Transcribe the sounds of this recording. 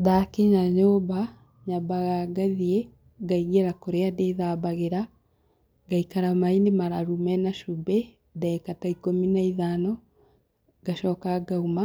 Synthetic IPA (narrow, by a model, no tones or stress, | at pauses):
ðakeɲaɲoːba | ɲabaɣaɡaðie | ɡaiɣeɾakoɾeadeðabaɣeɾa | ɡaikaɾamainemaɾaɾumɛnaʃubɛ | dɛːkataikominaiðanɔ | ɡ̥aʃɔːkaɡauma